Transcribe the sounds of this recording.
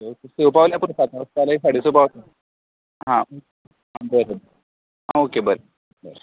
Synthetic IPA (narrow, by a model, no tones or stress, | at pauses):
eokeseʋpaʋljapuɾsat̪aəst̪jalaɦisaɽ̤iːsepaʋt̪a | ɦãoke | ɦãbəɾebəɾ | ɦãokebəɾeb | bəɾe